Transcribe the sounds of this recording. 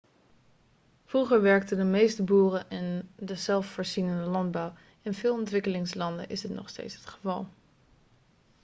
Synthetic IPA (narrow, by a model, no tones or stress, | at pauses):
vruχəɹʋɛɹktədəmejstəbuːrəʔɪndəzɛlˠffoːɹzinəndəlɑndbɑw | ɪnvɪːlˠɔntʋɪkəlɪŋslɑndə̰nʔɪsɦətnɔ̰χstḛjtsɦə̥tχəvɑlˠ